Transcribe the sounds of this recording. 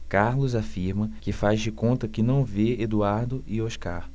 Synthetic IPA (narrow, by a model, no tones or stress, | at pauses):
kaɾlʊzafiɾmɐkɪfazd͡ʒɪkõnt̪ɐkɪnɐ̃w̃veed̪uaɾd̪ʊɪoʃka̰ɾ